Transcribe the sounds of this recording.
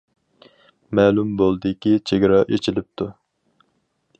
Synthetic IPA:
mɛːlumbolˠd̪ɪkʲit͡ʃʰeɡʲɾɑʔet͡ʃʰilɪp̚t̪ʰu

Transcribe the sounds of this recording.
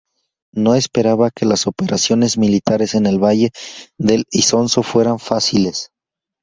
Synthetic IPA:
no̞e̞spe̞ɾaβake̞laso̞pe̞ɾasjo̞ne̞zmilit̪aɾe̞se̞ne̞lβaʝe̞ðe̞liso̞nso̞fwe̞ɾaɱfasile̞s

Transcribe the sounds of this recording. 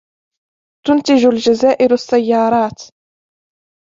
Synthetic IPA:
t̪ʊnt̪iʒuld͡ʒɐzæːʔɪɾʊsːɐjːɑːɾˤɑːt̪

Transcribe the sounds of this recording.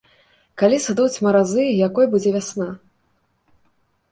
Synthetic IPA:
kalʲisɨd̪ut͡sʲmɐɾazɨjakɔjbud͡zʲɛvʲasna

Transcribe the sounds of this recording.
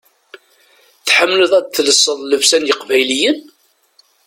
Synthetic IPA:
θħəmːləðˤæd̪θləsˤːəðˤləvsænjəqvæjlijən

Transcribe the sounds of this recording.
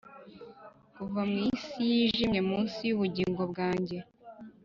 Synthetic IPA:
kuvamŋisijiːʒimɲe̞muːnsijuβuɟiːŋɡo̞bɡaːɲɟe̞

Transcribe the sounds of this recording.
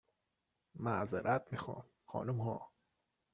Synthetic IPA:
mæzeɾʔæt̪̚miːxɒ̰ːm | xɒ̰ːnumɦɒː

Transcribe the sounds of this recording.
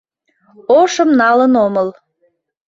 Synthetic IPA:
oʃəmnɑlənoməl

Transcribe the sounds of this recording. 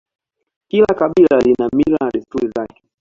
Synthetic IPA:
kilakaɓilalinamilaaɗistuɾizakɛ̥

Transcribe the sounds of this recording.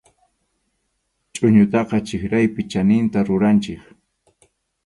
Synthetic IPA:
t͡ʃʼʊɲʊt̪ɑqɑt͡ʃɪxɾajpɪt͡ʃanɪnt̪aɾʊɾant͡ʃɪk

